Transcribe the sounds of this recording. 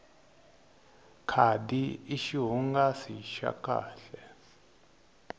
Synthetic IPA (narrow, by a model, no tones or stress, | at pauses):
kʰadiiʃiɦuŋɡasiʃa̰kʰʼa̰ːɬɛ